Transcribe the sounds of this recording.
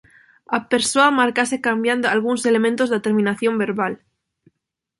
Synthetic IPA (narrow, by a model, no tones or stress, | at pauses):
ape̞ɾsoamaɾkase̞kambjand̪oalɣ̞unse̞le̞mẽnt̪o̞zðet̪e̞ɾmĩnaθjombe̞ɾβal